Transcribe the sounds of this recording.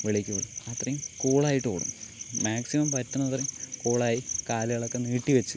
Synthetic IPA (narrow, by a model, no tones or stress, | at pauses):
ʋeɭikʲːuʋeɭumɐt̪rɐjumkoːɭaːjiʈːɨo̰ːɽṵmmaːksimɐmpɐtːɐnːɐt̪ɐrekoːɭaːjikaːlɐɣɐɭo̞kːeniːʈːiʋɐt͡ɕːɨ